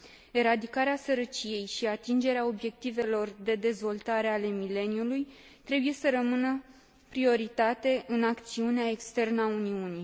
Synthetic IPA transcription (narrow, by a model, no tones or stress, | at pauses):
e̞ɾad̪ikaɾeasəɾət͡ʃije̞jʃiat̪ind͡ʒe̞ɾeao̞bje̞k̚t̪ive̞lo̞rd̪e̞d̪e̞zvo̞lt̪aɾe̞ale̞mile̞njuluj | t̪ɾe̞buje̞səɾəmɨnə | pɾio̞ɾit̪at̪e̞ʔɨnakt̪siuneae̞kst̪e̞rnəauniuni